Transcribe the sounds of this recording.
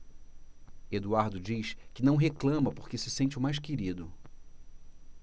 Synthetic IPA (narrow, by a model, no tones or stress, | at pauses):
ed̪uaɾd̪ʊd͡ʒiʃkɪnɐ̃w̃ɦeklɐ̃mɐpoɾkɪsɪsẽnt͡ʃɪʊmajskeɾid̪ʊ